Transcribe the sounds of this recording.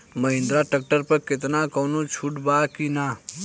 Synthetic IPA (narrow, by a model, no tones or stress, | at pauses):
məɦɪ̃nd̪ɾaʈək̚ʈəɾpəɾket̪nakɔːnot͡ʃʰuʈbakina